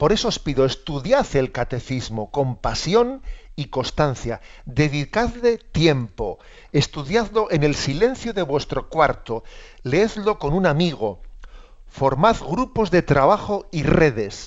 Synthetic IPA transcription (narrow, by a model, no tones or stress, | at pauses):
po̞ɾe̞soospiðo̞est̪uðjaθe̞lkat̪e̞θizmo̞ko̞mpasjo̞niko̞st̪an̟θja̰d̪e̞ðikaðle̞t̪je̞mpo̞ | est̪uðjaðlo̞ʔe̞ne̞lsilẽ̞n̟θjoðe̞βwe̞st̪ɾo̞kwaɾt̪o̞leeðlo̞ko̞nunamiɣ̞o̞ | fo̞ɾmaðɣɾupo̞zðe̞t̪ɾaβaxo̞ire̞ðe̞s